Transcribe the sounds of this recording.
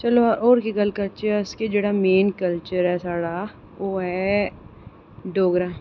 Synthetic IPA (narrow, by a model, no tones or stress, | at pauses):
t͡ʃɐloʔɔːɾkiɡɐlkɐlt͡ʃəɾɪsked͡ʒeːɽameːnkɐlt͡ʃəɾɦɛsaːɽa | ʋoːɦɛ | ɖoːɡɾaː